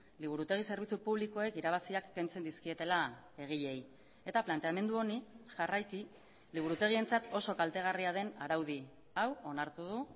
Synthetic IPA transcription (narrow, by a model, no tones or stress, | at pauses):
liβ̞uɾut̪e̞ɣ̞ise̞ɾβit͡supuβliko̞e̞kiɾaβ̞asiakːe̞nt͡se̞nd̪iskie̞t̪e̞lae̞ɣ̞iʎe̞j | e̞t̪aplant̪e̞ame̞nd̪uo̞niʝarajki | liβuɾut̪e̞ɣ̞ie̞nt͡sat̪o̞so̞kalt̪e̞ɣ̞ariaðe̞naɾawði | awo̞naɾt̪uð̞u